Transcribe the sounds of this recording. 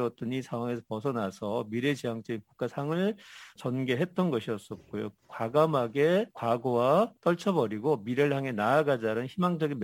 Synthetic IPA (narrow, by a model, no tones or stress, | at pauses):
ʌt͈ɯɲisʰaŋwaŋe̞s̬ʰʌ̥pʌsʰʌnasʰʌmiɾe̞d͡ʑejaŋt͡ɕ͈ʌɡinkuk͈̚asʰaŋɯɭt͡ɕʌnɡe̞ɦe̞t͈ʌnɡʌɕʰiʌs͈ʌt̚k͈ojokwaɡamɦaɡe̞kwaɡowat͈ʌɭt͡ɕʰʌbʌɾiɡomiɾeɭɦaŋe̞naːɡad͡ʑaɾɯnçimaŋd͡ʑʌɡin